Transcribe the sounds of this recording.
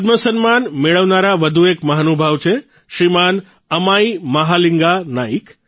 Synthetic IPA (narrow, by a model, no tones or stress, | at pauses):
d̪məsənmanmeɭəʋnaɾaʋəd̪ʱuekməɦanubʱəʋt͡ʃʰe | ʃɾiman | əmaiməɦaliŋɡanaik